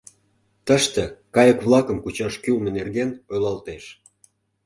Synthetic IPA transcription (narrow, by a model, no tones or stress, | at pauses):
t̪əʃt̪ĕkɑjəkβlˠɑkəmkut͡ɕɑʃkylnə̆nerɣenojlɑlt̪eʃ